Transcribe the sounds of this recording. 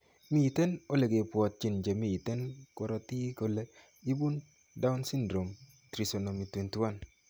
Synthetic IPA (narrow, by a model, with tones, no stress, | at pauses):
mi˦i˨te˦no˦le˨ɡe˨pwɔ˨t̚t͡ʃi˦˨nd͡ʒe˨mi˦˨i˨te˦nkɔ˦ɾɔ˨ti˦ko˨le˦ | i˦bu˦n | da˦ʊ˦nsi˦ndɾo˨m | tɾi˨so˨no˨mi˨twe˨nti˦wa˦n